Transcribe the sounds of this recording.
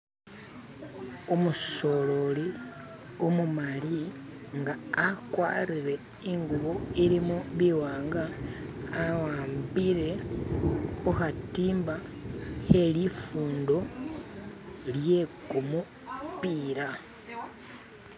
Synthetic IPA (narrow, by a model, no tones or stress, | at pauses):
umuso̞lo̞li | omumali | ŋɡaːkwa̰ːɾiɾe̞ | iŋɡuβo̞iɾimoβiwaːŋɡaː | waːmbiɾe̞ | ohatiːmba | he̞lifuːndo̞ | lje̞kumu | piːɾa